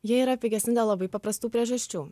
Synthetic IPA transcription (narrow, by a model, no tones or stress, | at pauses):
jɛiɾɐpʲpʲɪɡʲɛsʲnʲɪd̪ʲɐlˠɐbɐɪpɐpɾɐst̪uːpʲɾʲɛʒɐʃʲt͡ʃʲuː